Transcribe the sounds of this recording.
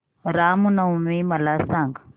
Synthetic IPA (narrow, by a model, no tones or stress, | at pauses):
ɾaːmunɐwmimɐlaːsaŋɡ